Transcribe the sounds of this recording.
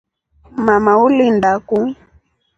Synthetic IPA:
mamaulindaku

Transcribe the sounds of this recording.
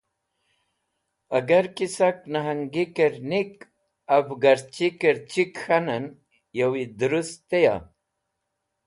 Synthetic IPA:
ɐɡɐɾkisaknaɦɐŋɡikeɾnik | ɐbɡɐɾt͡ɕikəɾt͡ɕikxanɐn | jɐwid̪uɾust̪eja̰

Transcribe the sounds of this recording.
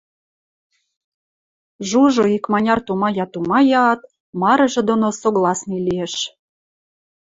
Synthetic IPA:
ʒuʒoikmɑnʲɑrt̪umɑjɑt̪umɑjɑːt̪̚ | mɑɾɤ̆ʒĕd̪onosoɣlɑsnilieʃ

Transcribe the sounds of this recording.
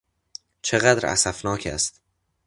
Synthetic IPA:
t͡ʃʰeɣæd̪ɾæ̰sæ̰fnɒːcʰæ̰st̪

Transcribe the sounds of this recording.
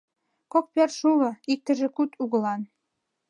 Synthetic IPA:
kok̚pʲærʃulɤ̆ik̚t̪ɘ̆ʒĕkut̪ʰuɣɤ̆lɑn

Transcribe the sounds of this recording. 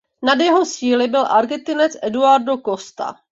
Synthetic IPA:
nadjɛɦo̞siːlɪbɪlʔaɾɡɛnt̪ɪnɛt͡sʔɛduaɾdokost̪a̰

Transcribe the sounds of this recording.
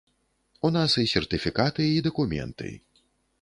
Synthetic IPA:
unasisʲɛrt̪ɨfʲikat̪ɨid̪ɐkumʲɛ̰nt̪ɨ̰

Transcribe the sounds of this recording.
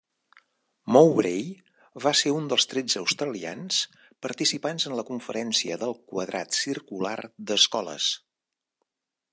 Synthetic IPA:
mowɾej | βaseɾund̪əlˠst̪ɾɛd͡zəːwst̪ɾəlia̰ns | pəɾt̪isipanzənləkuɱfəɾɛnsiəðəlˠkwəðɾa̰t̪sirkula̰rd̪əskɔlə̰s

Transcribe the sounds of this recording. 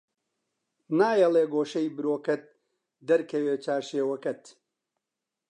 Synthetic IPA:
naːjɐlˠeːɡoːʃɐjbɨɾoːkɐt̪̚ | d̪ɐɾkʰɐweːt͡ʃaːʃeːwɐkɐt̪

